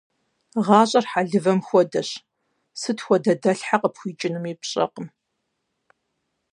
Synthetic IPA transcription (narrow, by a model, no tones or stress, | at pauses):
ʁɑːɕʼɐrħaɮɨvɐmxʷɔdɐɕ | sɨtxʷɔdɐdɐɬħaqəpxʷiːt͡ʃʼɪnɨmiːpɕʼɐ̰qəm